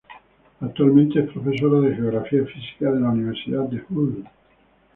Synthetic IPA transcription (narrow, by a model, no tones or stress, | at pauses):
ak̚t̪ualmẽnt̪eɛspɾofes̬oɾaðexeoɣɾafiaefisi̥kaðelauniβ̞eɾsiðad̪d̪eful